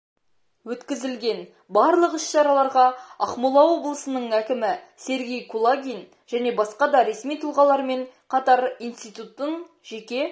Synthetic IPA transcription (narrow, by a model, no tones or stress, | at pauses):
wɵt̪kʲɪzɪlɡʲe̞n | bɑɾlˠəqɪsʃɑɾɑlˠɑɾʁɑɑ̰χmulˠɑwo̞blˠəsənəɴækʲɪmɪse̞ɾɡʲe̞jkʰulˠaɡʲin | ʒ̥æne̞bɑsqɑd̪ɑɾe̞smijt̪ʰəlˠʁɑlˠɑɾme̞ɴqʰɑt̪ɑɾijnst̪ijt̪ut̪ːəɴ | ʒe̞kʲe̞